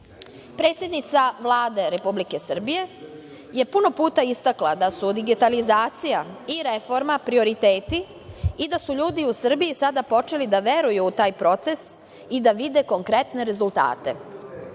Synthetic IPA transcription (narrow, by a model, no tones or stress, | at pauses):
pɾe̞ːt̪sʲje̞d̪nit̪saʋlˠaːd̪e̞ɾe̞publike̞sr̩bije̞ | je̞puno̞puːt̪aist̪aklad̪asud̪iɡit̪alizaːt̪sijaiɾe̞fo̞ɾmapɾio̞ɾit̪eːt̪i | id̪asuʎuːd̪iusr̩bijisad̪apo̞t͡ʃe̞lid̪aʋe̞ɾujuːt̪aːjpɾo̞t̪se̞s | id̪aʋid̪e̞ko̞ŋkɾe̞t̪ne̞ɾe̞zulˠt̪a̰ːt̪e̞̰